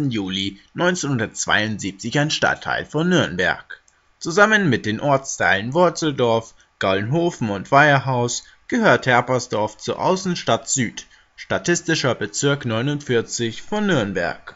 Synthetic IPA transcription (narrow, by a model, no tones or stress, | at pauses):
n̩juːlinɔʏnt͡seːnhʊndɐtt͡sv̥a̰ɪʊntz̥iːp̚t͡sɪçaɪnʃta̰tʰːa̰ɪlfɔnːʏɐnbɛ̰ɐ̰k | t͡suzamənmɪt̚d̥eːnʔɔɐt͡stʰaɪlənvʊɐt͡sl̩dɔɐf | ɡ̥alnɦoːfn̩ʊntv̥aɪɐɦaʊs | ɡ̥əhøːɐthɛɐpɐsd̥ɔɐft͡suːɐʔa̰ʊsn̩ʃtatz̥yːt | ʃtatʰɪstɪʃɐbət͡sɪɐknɔʏnʊntfɪɐt͡sɪçfɔnːʏɐnbɛ̰ɐk